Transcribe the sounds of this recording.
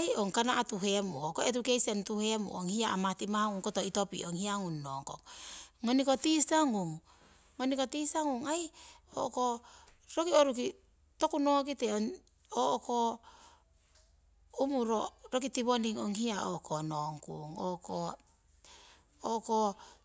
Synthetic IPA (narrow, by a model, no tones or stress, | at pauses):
ajoŋkanaʔatuɦe̞muokoet̬ukejsentuhe̞mṵʔoŋhiaamatimaŋuŋkotoito̞pḭʔoŋhiaŋunːoŋko̰ŋːonikotisaŋuŋː | onikotisaŋuŋajo̰ʔokoɾokioɾuki | tokunokiteoŋ | oʔko | umuɾoɾok̬itiβoniŋoŋhiao̰kʰonoŋkṵŋo̰ko | oko